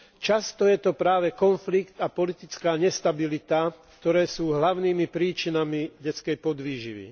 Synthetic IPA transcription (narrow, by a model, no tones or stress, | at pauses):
t͡ʃast̪ɔjɛt̪ɔpɾaːʋɛkɔnflikt̪apɔlit̪it͡skaːɲɛst̪abilit̪akt̪ɔɾɛːsuːɦlaʊniːmipɾiːt͡ʃinamiɟɛt͡skɛjpɔd̪ʋiːʒḭʋḭ